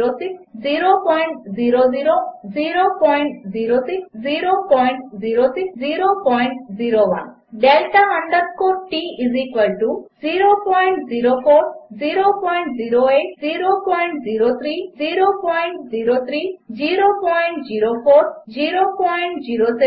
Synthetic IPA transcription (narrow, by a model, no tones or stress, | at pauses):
ɾot̪iziɾopɔjɳʈ̚ziɾoziɾoziɾopɔjɳʈziɾot̪iziɾopɔjɳʈziɾot̪iziɾopɔjɳʈziɾowa̰n | ɖelʈaɦəɳɖət̪̚kɔʈiizikwəlʈuziɾopɔjɳʈziɾopʰoɾziɾopɔjɳʈ̚ziɾoeziɾopɔjɳʈziɾot̪ʰɾiziɾopɔjɳʈziɾot̪ʰɾid͡ʒiɾopɔjɳʈd͡ʒiɾopʰoɾd͡ʒiɾopɔjɳʈziɾot̪e